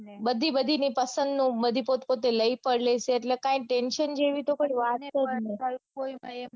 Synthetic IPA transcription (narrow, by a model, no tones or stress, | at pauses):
bəd̪ʱibəd̪ʱinipəsənd̪nũbəd̪ʱipot̪pot̪eləipəɽleseːʈlekãĩʈenʃənd͡ʒeʋit̪okoiʋat̪̚kəɾne